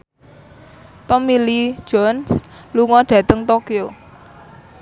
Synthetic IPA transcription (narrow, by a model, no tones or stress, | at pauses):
t̪ɔmili̥ʒ̥ɔnsluŋɔɖ̥ä̤t̪əŋt̪okio